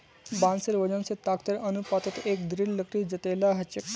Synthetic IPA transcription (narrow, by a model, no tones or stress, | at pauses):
bãnseɾʋəd͡ʑə̃nset̪akt̪əɾənupat̪ət̪ekd̪ɾilləkʰɾiːd͡zət̪elaɦət͡ɕe